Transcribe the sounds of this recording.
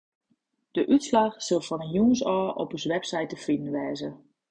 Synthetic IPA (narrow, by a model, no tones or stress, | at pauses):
d̥əʔytslaxsɵlˠfɔnənjuənsɔːʔɔ̰pəsʋɛpsɛjtəfidən̩ʋɛːzə